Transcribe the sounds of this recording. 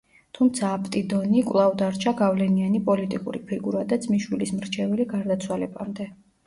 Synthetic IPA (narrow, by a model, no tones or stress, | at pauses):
t̪ʰumt̪sʰaːpʼt̪ʼid̪ɔnikʼwlˠavd̪aɾt͡ʃʰaɡavlɛnianipʼɔlit̪ʼikʼṵɾipʰiɡuɾad̪ad̪zʼmiʃwilismɾt͡ʃʰɛvɛliɡaɾd̪at̪sʰwalɛbamd̪ɛ